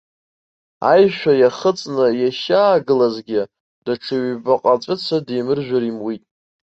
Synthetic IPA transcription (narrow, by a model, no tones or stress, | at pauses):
a̰jʃᶣajaχət͡sʼnɨjaʃaːɡɨlazɡʲɪ | d̥aʈ͡ʂʰɨɥbaqʼat͡sʷʼɨt͡sʰadejmɨrʒᶣaɾimwitʼ